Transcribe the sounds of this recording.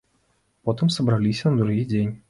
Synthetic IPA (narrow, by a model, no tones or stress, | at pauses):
pɔt̪ɨmsɐbɾalʲisʲɐnɐd̪ɾuɣʲid͡zʲenʲ